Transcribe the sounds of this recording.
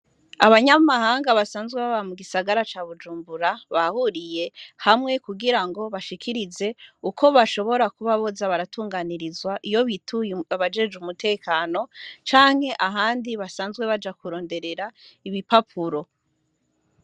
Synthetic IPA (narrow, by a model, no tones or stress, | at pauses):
aβaɲamaɦaːŋɡaβasaːnzɡweβaβamuɡisaɡaɾat͡ʃaːβud͡ʒuːmbuɾaβahuɾije̞hamŋe̞kuɡiɾaŋɡo̞βaʃikʰiɾize̞ukʰo̞βaʃo̞βo̞ɾakuβaβo̞zaβaɾatuːŋɡaniɾizwaʔijo̞βitʰuaβad͡ʒe̞ːd͡ʒumutʰe̞ːkaːno̞t͡ʃaːŋhe̞ʔaɦaːndiβasaːnzɡwe̞βad͡ʒakuɾo̞ːnde̞ɾe̞ɾaiβipapʰuɾo̞